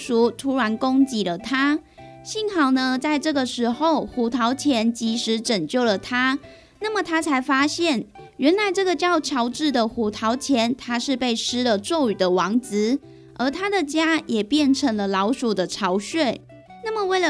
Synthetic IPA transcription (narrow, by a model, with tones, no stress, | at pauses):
ʂu˨˩t̪ʰu˧˥ɻa˧˥nko˥ŋt͡ɕi˧˥lə˨t̪ʰa˥ | ɕi˥˧nxɑ˨˩ʊnə˧t͡sa˥˧ɪʈ͡ʂɤ˥˩ɡə˨ʂɻ̩˧˥xo˥˨˩ʊxu˨˩t̪ʰɑ˧˥ʊt͡ɕʰjɛ˧˥nt͡ɕi˧˥ʂɻ̩˧˥ʈ͡ʂə˨˩ŋt͡ɕjo˥˩ʊlə˩t̪ʰa˥ | na˥˩mə˨˩t̪ʰa˥t͡sʰa˧˥ɪfa˥ɕjɛ˥˩n | ɥɛ˧˥nla˧˦ɪʈ͡ʂɤ˥˩ɡə˨t͡ɕjɑ˥˩ʊt͡ɕʰjɑ˧˥ʊʈ͡ʂɻ̩˥˩d̪ə˨xu˨˩t̪ʰɑ˧˥ʊt͡ɕʰjɛ˧˥nt̪ʰa˥ʂɻ̩˥˧pe˥˩ɪʂɻ̩˥lə˨t͡swɔ˥˩ʊy˨˩d̪ə˦wɑ˧˥ŋt͡sɹ̩˧˦ | ʔə˞˧˥t̪ʰa˥d̪ə˨t͡ɕja˥jɛ˨˩pjɛ˥˩nʈ͡ʂʰə˧˥ŋlə˧lɑ˧˥ʊʂu˨˩d̪ə˦ʈ͡ʂʰɑ˧˥ʊɕɥe˥˩ɪ | na˥˩mə˨we˥˩ɪlə˨